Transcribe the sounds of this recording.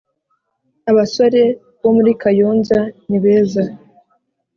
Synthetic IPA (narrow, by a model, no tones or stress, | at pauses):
aβasoɾe̞ | βo̞muɾikajoːnzaniβe̞ːza